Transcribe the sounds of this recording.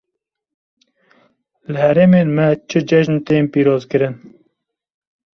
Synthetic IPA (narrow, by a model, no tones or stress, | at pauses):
lɨhɛɾeːmeːnmɛt͡ʃʰɨd͡ʒɛʒnt̪eːnpiːɾoːzkɨɾɨn